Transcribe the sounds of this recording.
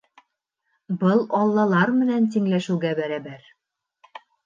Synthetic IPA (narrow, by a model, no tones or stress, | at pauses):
bɤlˠɒlˠːɑlˠɑɾmɘ̆nænt̪̬iŋlæʃʉ̆ɡæbæɾæbæɾ